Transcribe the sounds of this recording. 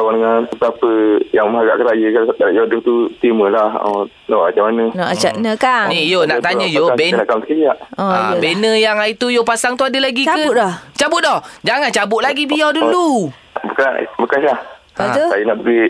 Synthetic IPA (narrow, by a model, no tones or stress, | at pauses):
kawandəŋanət̪apəjaŋməɦaɡaʔkəɾajəkad̪adaʔjoduht̪ut̪iməlahɔ̰ | nɔʔad͡ʒamanənɔʔat͡ʃanəkanijonat̪aɲə̃joabenakamsəkəjaʔɔbenəjaŋait̪ujopasaŋt̪uadəlaɡikədɔt͡ʃabʊt̪̚dɔhd͡ʒaŋant͡ʃabʊʔ̪laɡibijɔdullu | bukan̰bəkansah | asajunaʔbəɡi